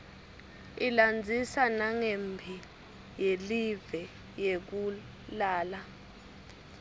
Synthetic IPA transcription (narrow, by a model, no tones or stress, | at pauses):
iland͡zʱisanaŋembʱi | jelivɛ | jek̬u | laːla